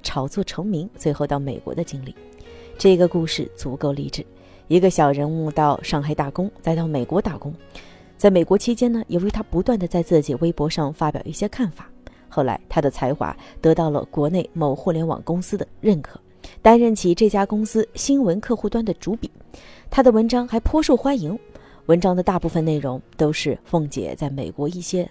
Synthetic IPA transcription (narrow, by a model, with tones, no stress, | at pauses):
ʈ͡ʂʰɑ˨˩ʊt͡swɔ˥˩ʈ͡ʂʰɤ˧˥ŋmi˧˥ŋt͡swe˥˧ɪxo˥˧ʊt̪ɑ˥˩ʊmḛ˨˩ɪkwɔ̰˧˥d̪ə˧t͡ɕi˥ŋli˥˩ | ʈ͡ʂɤ˥˩i˧ɡə˧ku˥˧ʂɻ̩˥˩t͡su˨˩ko˥˧ʊli˧˩ʈ͡ʂɻ̩˨˩˦ | i˧˥ɡə˧ɕjɑ˨˩ʊɻə˧˥nu˥˧t̪ɑ˥˧ʊʂɑ˥˧ŋxa˥ɪt̪a˥˩kʊ˥ŋt͡sa˥˧ɪt̪ɑ˥˩ʊme˨˩ɪkwɔ˧˥t̪a˥˩kʊ˥ŋ | t͡sa˥˩ɪme˨˩ɪkwɔ˧˥t͡ɕʰi˥t͡ɕjɛ˥nə˨jʔo˧˥ʊɥy˧˥t̪ʰa˥pu˧˥t̪wa˥˩nd̪ə˩t͡sa˥˧ɪt͡sɹ̩˥˩t͡ɕi˨˩we˥ɪpwɔ˧˥ʂɑ˥˧ŋfa˥pjɑ̰˨˩ʊi˥˩ɕjɛ˥kʰa˥˩nfa˨˩˦ | xo˥˩la̰˧˥ɪt̪ʰa˥d̪ə˨t͡sʰa˧˥ɪxwa̰˧˥˦t̪ɤ˧˥t̪ɑ˥˩ʊlə̰˩kwɔ˧˥ne˥˩ɪmo˧˥˩ʊxu˥˩ljɛ˧˥nwɑ̰˨˩ŋkʊ˥ŋsɹ̩˥d̪ə˨ɻə˥˩nkʰɤ̥̰˨˩˦ | t̪a˥nɻə˥˩nt͡ɕʰi˧˥ʈ͡ʂɤ˥˩t͡ɕja˥kʊ˥ŋsɹ̩˥ɕi˥nwə˧˥nkʰɤ˥˧xu˥˧t̪wa˥nd̪ə˨ʈ͡ʂu˧˥pi˨˩˦t̪ʰa˥d̪ə˨wə˧˥nʈ͡ʂɑ˥ŋxa˧˥ɪpʰwɔ˥ʂu˥˩ʊxwa˥nji˧˥ŋ | wə˧˥nʈ͡ʂɑ˥ŋd̪ə˨t̪a˥˧pu˥˩fə˨˩ne˥˩ɪɻʊ˧˥ŋt̪o˥ʊʂɻ̩˥˧fo˥˩ŋt͡ɕjɛ̰˨˩t͡sa˥˩ɪme˨˩ɪkwɔ˧˥i˥˩ɕjɛ˥